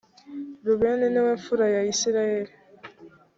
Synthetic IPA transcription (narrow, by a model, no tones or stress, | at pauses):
ɾuβeneneweɱfuɾajaisiɾaeɾi